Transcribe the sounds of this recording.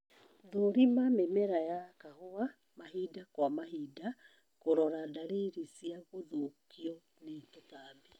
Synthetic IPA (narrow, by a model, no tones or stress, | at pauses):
ðoɾimamemɛɾajakahoa | maɦidakwamahida | koɾɔɾadaɾeɾisiaɣoðokiɔ | netotaβi